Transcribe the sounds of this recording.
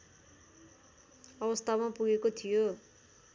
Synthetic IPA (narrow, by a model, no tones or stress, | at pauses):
ʌbʌst̪ʰamapuɡekot̪ʰijo